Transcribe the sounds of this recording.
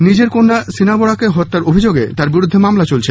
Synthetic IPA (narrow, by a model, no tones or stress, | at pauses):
nid͡ʑeɾkonːasinabɔɽakeɦɔt̪ːaɾobʱid͡ʑoɡḛt̪aɾbiɾud̪ʱːemamlat͡ɕolt͡ɕʰe